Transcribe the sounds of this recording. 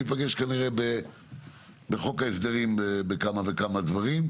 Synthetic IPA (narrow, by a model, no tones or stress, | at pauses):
it̪paɡe̞ʃkaniʁebe | beχo̞kaesd̪eʁimbebekamavekamad̪vaʁim